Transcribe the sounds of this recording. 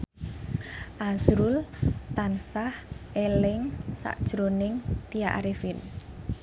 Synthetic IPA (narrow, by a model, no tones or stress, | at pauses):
ʔazɾult̪ansahʔelɪŋsa̰ʔd̥ʒ̥ɾonɪŋt̪ijaʔaɾefin